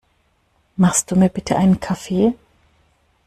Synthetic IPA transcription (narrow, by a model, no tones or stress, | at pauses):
maχst̚d̥uːmiːɐbɪtʰəʔaɪnənkʰafeː